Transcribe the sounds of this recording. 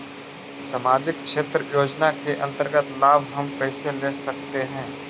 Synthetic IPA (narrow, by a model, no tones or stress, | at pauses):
samaːd͡ʒɪk̚ʃeːt̪ɾəjoːd͡ʒnakeʔɐ̃nt̪əɾɡət̪laːbɦɐmpɛːseleːsɐk̚t̪eɦɛ̃ː